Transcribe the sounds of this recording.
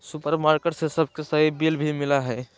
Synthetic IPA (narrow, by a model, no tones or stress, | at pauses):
sʊpəɾmaːɾkeːʈsesɐb̚ʱkesɐibiːlbʱimɪlaɦɛː